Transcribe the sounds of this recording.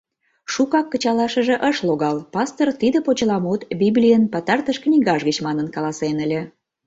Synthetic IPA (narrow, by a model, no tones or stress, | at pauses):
ʃukɑkːə̆t͡ɕɑlɑʃə̆ʒĕʔəʃloɣɑlpɑst̪ort̪id̪əpot͡ɕəlɑmut̪bʲiblʲijənpɑt̪ɑrt̪əʃknʲiɣɑʒɣət͡ɕmɑnənkɑlɑsenəlʲĕ